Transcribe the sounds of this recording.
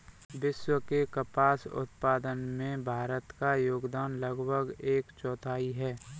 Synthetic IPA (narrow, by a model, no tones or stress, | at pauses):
ʋɪʃwəkekəpaːsʊ̰t̪̚paːd̪ənmẽbʱaːɾət̪kajoːɡd̪aːnləɡbʱəɡeːkt͡ʃɔːt̪ʰaːiɦɛː